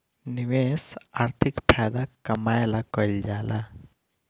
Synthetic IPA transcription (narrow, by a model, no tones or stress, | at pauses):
niʋesaɾt̪ʰɪkpʰaːjd̪akɐmaːjlakɔild͡ʒaːla